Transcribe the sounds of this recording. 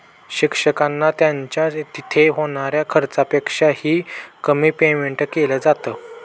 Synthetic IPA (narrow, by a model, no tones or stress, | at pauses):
ɕikʂəkanːat̪jaɲt͡ɕjat̪it̪ʰeɦoɽ̃aɾjakʰəɾt͡sapekʂahiːkəmiːpemeɳʈəkeləd͡zat̪əː